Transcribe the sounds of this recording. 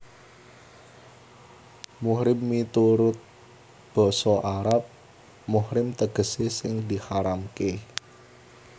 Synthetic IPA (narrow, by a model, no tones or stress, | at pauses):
muhɾɪmːit̪uɾʊt̪̚ | b̥ɔ̤sɔʔaɾap̚ | muhɾɪmt̪əɡ̥ə̤sesɪŋd̪i̤haɾamke